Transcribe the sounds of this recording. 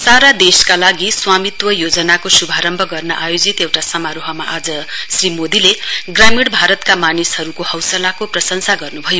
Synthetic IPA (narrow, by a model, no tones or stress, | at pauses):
saɾad̪eskalaɡiswamit̪wʌjod͡zʌnakosubʱaɾʌmbʱʌɡʌrnʌʔajod͡zit̪ewʈasʌmaɾoɦʌmaʔad͡zʌsrimod̪ileɡramiɽbʱaɾʌt̪kamanishʌɾukohʌwsʌlakoprʌsʌnsaɡʌrnubʱʌjo